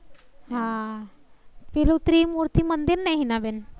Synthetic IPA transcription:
ɦã | filut̪ɾiːmuɾt̪imənd̪iɾnajɦinaben

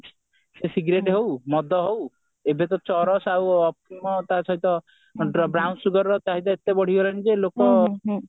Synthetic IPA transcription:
sesiɡɾeʈɦewmɔd̪ʱɔɦow | ebet̪ɔt͡ʃɔɾɔsawɔpimɔt̪at͡ʃʰajt̪ɔ | bɾawnsuɡɔɾːɔt̪aɦit̪̬ɔet̪ːebɔɽ̤iɡolanid͡ʒelokɔ

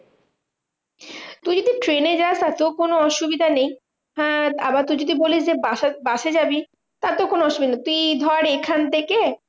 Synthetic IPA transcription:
t̪ujd͡ʑod̪iʈɾened͡ʑast̪at̪okonoɔʃubid̪ʱanej | ɦɛ̃abaɾt̪ud͡ʑod̪iboliʃd͡ʑebaabaʃed͡ʑabi | t̪at̪okonoɔʃubid̪ʱat̪uijd̪ʱɔaɾekʰant̪eke

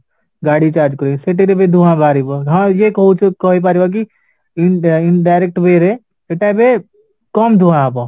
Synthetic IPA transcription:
ɡaːɽit͡ʃaːɾd͡ʒkəɾeseʈeɾebed̪ʱuãbʱaːɾibaɦãjekut͡ʃkɔɦip̬aːɾibak̬i | ɪnɖaːɪɾek̚ʈbeːɾe | seʈebe | kɔːmd̪ʱuããːp̬ã

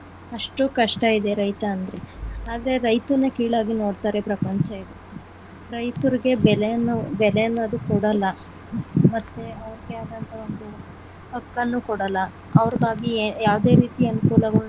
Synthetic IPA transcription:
ɐʂʈukɐʂʈɐid̪e̞ɾɐjt̪ɐːnd̪ɐɾe̞aːd̪ɐɾe̞ɾɐjt̪uɾnːekiːɭaːɡino̞ːɽt̪aːɾe̞pɾɐpɐɲt͡ʃɐiɾu | u | ɾɐjt̪uɾiɡe̞bɛlejɐnːubɛlejɐnːuɐd̪ukɔɽɐlːɐ | mɐt̪ːeɐʋɐɾiɡeaːd̪ɐnt̪ʰɐo̞nd̪u | ɐkːɐnːukɔɽɐlːɐ | ɐʋɐɾɐd̪aːɡijaːʋd̪e̞ːɾiːt̪iɐnukuːlɐɡɐ

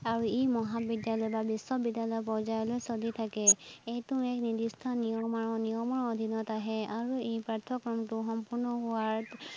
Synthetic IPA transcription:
aɹuejmɔɦabidjalɔjbabisːɔbidjalɔjp̬ɔɹzajɔlojsolitʰakɛejtʊɛknidistʰanijɔmaɹɔnijɔmɔɹod̪ʱinɔtaɦɛaɹuejpɹaɹtʰːɔkɹɔmtʊxɔmpuɹnɔɦʊaɹ

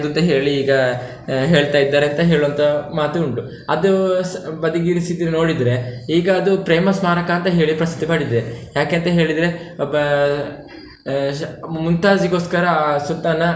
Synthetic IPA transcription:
d̪unt̪ɐɦeːɭiːɡɐ | ɦe̞ːɭt̪aːjid̪ːaːɾeɐnt̪ɐɦe̞ːɭuʋɐnt̪ʰɐmaːt̪uuɳʈu | ɐd̪ubɐd̪iɡiːɾisid̪iɾino̞ːɽid̪ɾe̞iːɡɐːd̪upɾeːmɐsmaːɾɐkaːnt̪ɐɦe̞ːɭipɾɐsi̥t̪ːimaːɽid̪ɾejaːkeɐnt̪ɐɦe̞ːɭid̪ɾe̞bɐ | munt̪aːd͡ʒiɡo̞ːskɐɾɐsut̪ːanːɐ

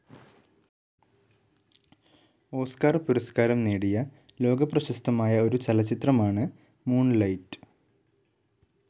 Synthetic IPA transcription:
o̞ːskaːrpuɾɐskaːɾɐmneːɽijɐ | lo̞ːɡɐprɐɕɐst̪ʰɐmaːjɐo̞ɾut͡ɕɐlɐt͡ɕːit̪rɐmaːɳɨ | muːɳlɐjtɨ̥

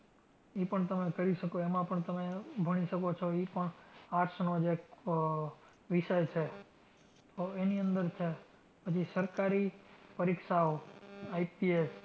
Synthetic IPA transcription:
ipəɳt̪əmekəɾiʃəkoemãpəɳt̪əmebʱəɽ̃iʃəkot͡ʃʰoipəɳaɾʃnod͡ʒe | ʋiʃəjt͡ʃʰe | t̪oeniənd̪əɾt͡ʃʰe | pət͡ʃʰisəɾkaɾipəɾikʃaoaipies

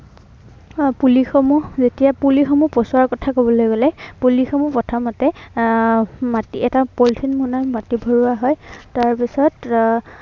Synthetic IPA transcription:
pulixɔmuzetijapulixɔmupɔsɔaɹkɔtʰakobɔlojɡolɛpulixɔmupɔtʰamatɛ | matiɛtapoltʰinmunamatibʱɔɹuaɦɔjtaɹpisɔt

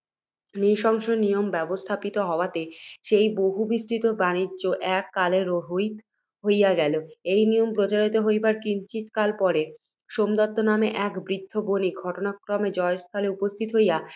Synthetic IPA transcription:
niʃɔŋʃonijombɛbost̪ʰapit̪oɦɔoat̪eʃejboɦubisʈʰit̪obaniʑoʔɛkːaleɾoɦojt̪ | ɦojaɡɛloejnijompɾot͡ɕaɾit̪̬oɦojbaɾkint͡ɕit̪kalpɔɾe | ʃomd̪ɔt̪ːonameʔɛkbɾid̪ʱːoboniɡʱɔʈonakɾomed͡ʑɔest̪ʰaleupost̪ʰit̪oɦoja

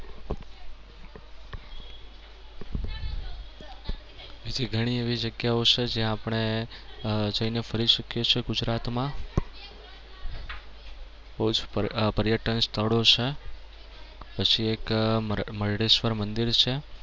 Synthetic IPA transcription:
ʋid̪ʱiɡʱəɽ̃ieʋid͡ʒəɡjaot͡ʃʰed͡ʒẽapɳ̃e | d͡ʒəinefʰəɾiʃəkjot͡ʃʰeɡud͡ʒɾat̪mã | bəɦud͡ʒpəɾjəʈənst̪ʰəɭot͡ʃʰe | pət͡ʃʰiekməɾɖeʃʋəɾmənd̪iɾt͡ʃʰe

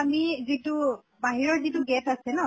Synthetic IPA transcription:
amizitu | baɦiɹɔɹzituɡɛtʰasɛnɔ

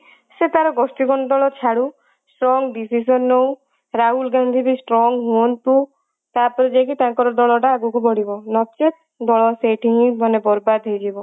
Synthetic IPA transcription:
set̪aɾɔɡɔsʈiɡɔnɔd̪ɔɭɔt͡ʃʰaɽu | sʈɾɔŋɡɖisis̬ɔnːow̃ | ɾaɦulɡand̪ʱib̪isʈɾɔŋɡɦuɔnt̪u | t̪apɔɾed͡ʒek̬it̪aŋkɔɾɔd̪ɔɭɔʈaːɡukupɔɽibɔnɔt͡ʃet̪̚ | d̪ɔɭɔseʈʰiɦĩbɔnebɔɾbad̪ʱɦejd͡ʒibɔ

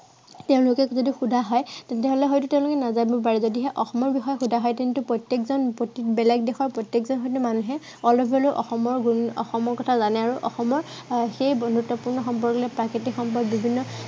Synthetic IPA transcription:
teʊ̃lʊkɛzɔdixudʱaɦɔjtɛntɛɦolɛɦɔjtutẽʊ̃lʊkɛnazabɔp̬aɹɛzɔdiɦɛʔɔxɔmɔɹbixɔjɔxudʱaɦɔjtintupɹɔtjekzɔnpotibɛlakdɛxɔɹpɹɔtjekzɔnxɔjtumanuɦɛ | ɔlɔbʱɔloʔɔxɔmɔɹɡuɔ̰xɔmɔɹkɔtʰazanɛaɹuʔɔ̰xɔmɔɹ | xejɡɹutːɔpuɹnɔxɔmpɔɹɡɔlɛpɹakitikxɔmpɔbbibʱinːɔ

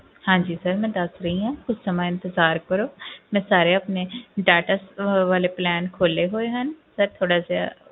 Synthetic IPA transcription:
hãːd͡ʒiːsəɾmɛ̃ːd̪əsɾəɦĩːɦãːkʊt͡ʃʰsəmãːɪ̃nt̪əzaːɾkəɾoːmɛ̃ːsaːɾeəpneːɖaːʈasʋaːleːplɛːnkʰoːleːɦoːeɦənsəɾt̪ʰoːɽaːz

